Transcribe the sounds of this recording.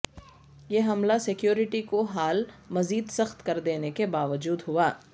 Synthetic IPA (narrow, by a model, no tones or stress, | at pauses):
jeɦɐmlasɪkjoːɾɪʈikoɦaːlmɐziːd̪sɐxt̪kɐɾd̪eːnekebaːʋəd͡ʒuːd̪ɦʊaː